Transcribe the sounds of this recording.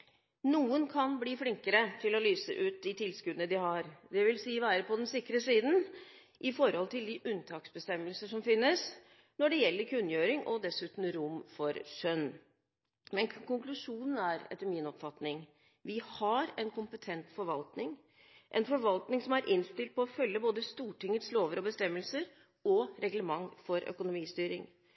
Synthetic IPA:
nuːənkʰɑnbliːfɽɪŋkəɾət̪ʰɪlɔlyːsə̰ʔʉːt̪̚d̪ɪt̪ʰɪlskʉd̪ənəd̪ɪhɑɾd̪ɛʋɪlsiːʋæːɾəpʰɔd̪ɛnsɪkːɾəsiːd̪n̩ | ʔɪfɔɾhɔlt̪ʰɪld̪ɪʔʉnt̪ʰɑːksbəst̪ɛmːəlsəʂɔmfɪnːəs | nɔɖɛjɛlːəɾkʰʉnːjøːɾɪŋʔɔd̪ɛsʉːt̪n̩ɾʊmfɔɾʂœn | mɛnkʊŋklʉʂuːnən̩æɾɛ̰t̪ːəɾmɪnɔpfɑt̪nɪŋ | ʋɪhɑɾɛnkʊmpət̪ʰɛnt̪fɔɾʋɑlt̪nɪŋ | ʔɛnfɔɾʋɑlt̪nɪŋsɔmæɾʔɪnst̪ɪlt̪̚pʰɔːfœlːəboːd̪əst̪uːʈɪŋːət̪sloːʋəɾɔbəst̪ɛmːəlsəɾ | ɔɾɛɡləmɑŋfɔɾœ̰kʊnʊmiːst̪yːɾɪŋ

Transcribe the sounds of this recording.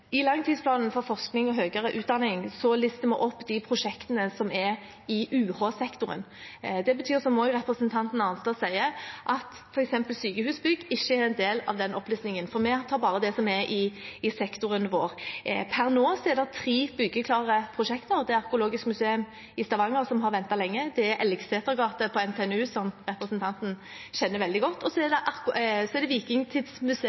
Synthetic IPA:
ɪlɑŋːt̪ʰiːspʰlɑːnən̩fɔʁfɔʁsknɪŋɔɦøːɡəɾəʔʉːt̪̚d̪ɑnɪŋsɔlɪst̪əmɛʔɔpːd̪ɪpʰʁʊʂɛkt̪ənəsɔmɛɾ | ɪʔʉːhɑːsɛkt̪ʊɾə̰n | d̪ɛbət̪ʰyːʁsɔmɔːɡəʁɛpɾəsənt̪ʰɑnt̪n̩ɑnst̪ɑsæɪəʔɑt̪ | fɔɾɛksɛmpəlsyːkəhʉːsbʏɡɪçːəɛɾɛnd̪eːlɑ̰ʋd̪ɛnɔplyːsnɪŋənfɔʁmɛt̪ʰɑːbɑːʁəd̪ɛsɔmɛʔɪɪsɛkt̪ʊɾənʋo̰ːʁpʰæʁnoːsɔɛɾd̪ɑt̪ʰʁiːbʏɡːəkʰlɑːʁəpʰʁʊʃɛkt̪əʁd̪ɛɛɑʁkʊloːɡɪskmʉseːʉm | ɪst̪ɑʋɑŋːəɾsɔmɦɑɾʋɛnt̪ɑlɛŋːəd̪ɛæɾʔɛlɡseːt̪əɡɑːt̪əpʰɔɛnt̪ʰeɛnʉːsɔmɾɛpɾəsnt̪ʰɑnt̪n̩ | ɕɛnːəɾʋɛld̪ɪɡɔt̪ːɔsɔɛd̪ɛʔɑsɔɛɾd̪ɛʋiːkɪŋt̪ʰɪd̪smʉse

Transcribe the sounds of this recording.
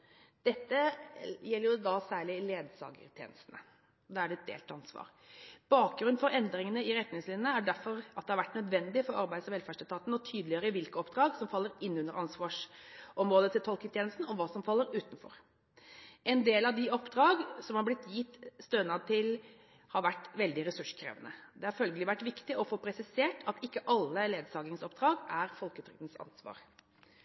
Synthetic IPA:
d̪̥ɛt̪ːəjɛlːəɾjʊd̪ɑsæːɭɪleːd̪sɑ̰ːɡə̰ɾt̪ʰjḛːnəst̪nə | ɔd̪ɑːæɖɛt̪̚d̪ḛːlt̪ʰːɑnsʋɑ̰ːɾ | b̥ɑːk̚ɡɾʉnfɔɾɛnd̪ɾɪŋənəɪɾɛt̪nɪŋslɪnːnəæɖæɾfɔɾɑt̪̚d̪ɛhɑɾʋæʈːnœd̪ʋɛnd̪ɪfɔɾɑɾbæɪd̪sɔʋɛlfæʂʈ̪ɪlt̪ʰɑːt̪nəɔt̪ʰyːd̪lɪjøːɾəʋɪlkəɔpd̪ɾɑːɡsɔmfɑlːəɾɪnːʉnəɾʔɑnsʋɑːʂɔmɾoːd̪ət̪ɪlt̪ʰɔlkət̪ʰjeːnl̩st̪n̩ɔʋɑːsɔmfɑlːəɾʉːt̪nfɔ̰ɾ | ʔɛnd̪eːlɑʋd̪ɪɔpːd̪ɾɑːɡsɔmhɑɾblɪt̪jɪt̪ːst̪øːnɑt̪ʰɪl | hɑɾʋæʈːʋɛld̪ɪɾɛsʉʂkʰɾḛːʋənəd̪ɛhɑɾfœlɡəlɪʋæʈːʋɪkt̪ɪɔfoːpʰɾɛsɪseːʈʰɑt̪ɪkːəʔɑlːəleːd̪sɑːɡɪŋsɔpd̪ɾɑːɡæɾfɔlkəʉːt̪ʰɾɪk̚t̪n̩sɑ̰nsʋɑ̰ːɾ

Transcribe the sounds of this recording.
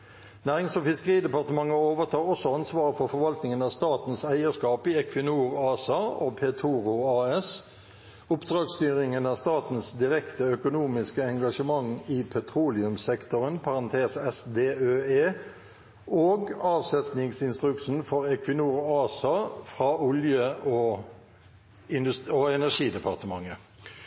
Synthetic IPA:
næːʁɪŋsɔfɪskəʁiːd̪ɛpɑʁt̪əmɑŋːəoːʋəʁt̪ʰɑːʁɔsɔɑnsʋɑːʁəfɔfɔʁʋɑlt̪nɪŋənɑːʋst̪ɑːt̪n̩sæɪəʂkɑːpiɛkʰʋɪnuːʁɑːsɑoːpʰɛːt̪ʰuːʁʊɑːɛs | ʊpd̪ʁɑːɡst̪yːʁɪŋənɑːst̪ɑːt̪n̩sd̪ɪʁɛkt̪əœkʊnuːmɪskəɛŋɡɑʂəmɑŋiːpʰɛt̪ʰʁuːlɪʉmsɛkt̪ʊʁənpʰɑʁɑnt̪ʰeːsɛsd̪eːøːeː | ʔoːɡɑːʋsɛt̪nɪŋsɪnst̪ʁʉkʂn̩fɔʁɛkʰʋɪnuːʁɑːsɑfʁɑːʊljəʔo | ɪnd̪ʉsoɛnæʂiːd̪ɛpʰɑʁt̪əmɑŋːə

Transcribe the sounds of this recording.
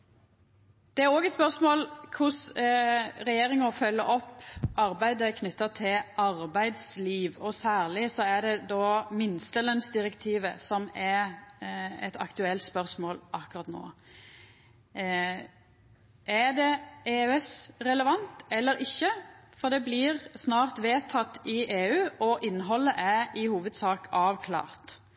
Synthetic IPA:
d̪̥ɛæɾoːɡɛt̪spœʁsmoːlkʰʊs | ɾɛjeːɾɪŋɑfœlːəɾɔpːɑɾbæɪd̪əkʰnʏt̪ːət̪ʰɪlɑɾbæɪd̪sliːʋɔsæːʁlɪsɔæd̪ɛd̪ɔːmɪnst̪əlœnsd̪ɪɾɛkt̪ʰiːʋə̰sɔmɛ | ɛ̰t̪ʰɑ̰kt̪ʉɛlt̪spœʁsmoːlʔɑkʉʁɑt̪no̰ː | ʔæd̪ɛeːɛsʁɛləʋɑnt̪ɛlːəɾɪçːəfɔʁd̪ɛblɪʁsnɑːʁt̪ʋeːt̪ʰɑt̪ːɪʔeːʉːɔʔɪnːɦɔlːəʔæʔɪhuːʋəd̪sɑːkɑːʋkʰlɑ̰ːʁt̪

